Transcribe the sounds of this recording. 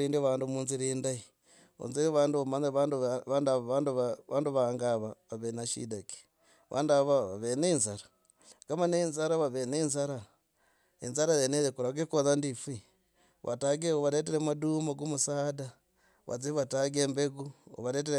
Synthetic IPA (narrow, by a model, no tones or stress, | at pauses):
ɾiːndiβaːndumuːnziɾindai | o̰nziɾβaːnduamaɲeβanduβandaanduaβaːnduβaŋɡaβaβaβenaʃḭdaki̥ | βʔa̰ːndaβaβa̰βenenzaɾa | ɡamaneinzaɾaβaβenenzaɾa | ḭnzaɾajenezekuɾaɡekoðandifi | βʔa̰taɡeoβaɾet̬eɾemaduːmaɡomusaːda | βʔa̰t͡siβataɡembeɡuo̰βaɾet̬eɾe